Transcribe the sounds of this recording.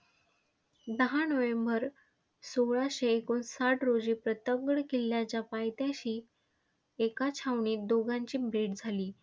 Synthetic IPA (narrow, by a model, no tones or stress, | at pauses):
d̪əɦanəʋembəɾ | soɭaɕeːkuːnsaʈɾod͡ʑiːpɾət̪əɡɽkiljat͡ɕapajt̪jãɕiː | ekat͡ɕʰaʋɳiːd̪oɡãɲt͡ɕiːbʱeʈd͡zʱaliː